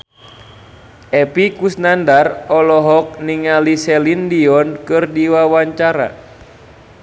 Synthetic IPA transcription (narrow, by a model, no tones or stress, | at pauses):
ʔɛpikusnandarɔlɔɦɔk̚niŋalisɛlindiɔnkɨrdiwawaɲt͡ʃaɾa̰